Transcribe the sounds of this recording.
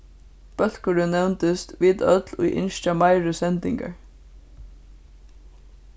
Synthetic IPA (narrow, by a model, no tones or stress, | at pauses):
b̥œlkəɖʉːnɛʋnt̪əst̪ʋiːd̪œd̪lo̰ːʔɪ̰nʃt̪ɑmɑɪɹʉsɛnd̪ɪŋɡə̰ɹ